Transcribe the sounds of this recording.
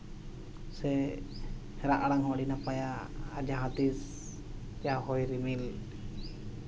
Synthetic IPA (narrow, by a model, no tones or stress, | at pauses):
sɛ | hɛɾaʔaɽaŋɦɔ̃ʔɖinapajaːd͡ʒaɦat̪is | d͡ʒahɔjɾimil